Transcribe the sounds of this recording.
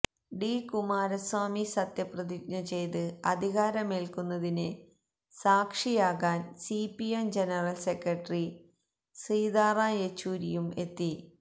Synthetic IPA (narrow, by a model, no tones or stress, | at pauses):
ɖikumaːɾɐswaːmisɐt̪jɐprɐðik̚nɐt͡ɕe̞jt̪ɨɐd̪ʱiɣaːɾɐmeːlkunːɐðinɨ | saːkʂijaːɣaːnsipːiemd͡ʑenɐrɐlsekrɐʈːri | siːd̪aːraːjet͡ɕːuːɾijume̞t̪ːi